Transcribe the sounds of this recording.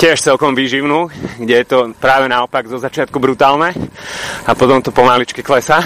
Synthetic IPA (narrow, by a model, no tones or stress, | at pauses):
cɪɛʃt͡sɛlkɔmʋiːʒiʊnuːɡɟɛjɛt̪ɔpɾaːʋɛnaɔpaɡzɔzat͡ʃɪat̪̚kubɾut̪aːlnɛ | apɔt̪ɔmt̪ɔpɔmalit͡ʃkiklɛsa